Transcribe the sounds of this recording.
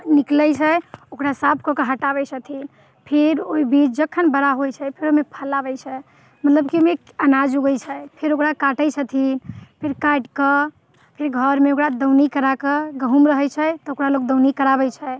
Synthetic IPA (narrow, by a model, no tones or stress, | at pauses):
niklɛt͡ʃʰɛokɾasap̚ʰkɔkeɦəʈabɛt͡ʃʰət̪ʰin | pʰeɾoibit͡ʃd͡ʒəkʰːənbəɾaɦojt͡ʃʰɛpʰeɾomepʰəlabɛjt͡ʃʰɛ | mət̪ləbkiome | ənad͡ʒuɡəjt͡ʃʰɛpʰeɾokɾakaʈəjt͡ʃʰət̪ʰinpʰeɾkaʈkə | pʰeɾɡʱəɾmeokɾad̪əwnikəɾakəɡəɦumɾəɦɛjt͡ʃʰɛt̪ɔokɾaloɡ̚d̪əwnikəɾabɛjt͡ʃʰɛ